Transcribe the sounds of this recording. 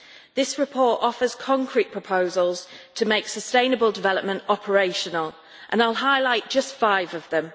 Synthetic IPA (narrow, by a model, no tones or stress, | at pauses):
ðɪsɹɪpʰɔˑtɒfəz̥kʰɒ̃ŋkʰɹiʔ̚pʰɹ̥əpʰoʊzəlˠz̥tʰəmeɪksəstẽɪ̃nəbəlˠdɪvɛləp̚mə̃ntɒpʰəɹeɪʃənəlˠ | ʔə̰̃naɪlˠɦaɪlaɪʔ̚d̥ʒ̥ʌstfaɪvəvðə̃m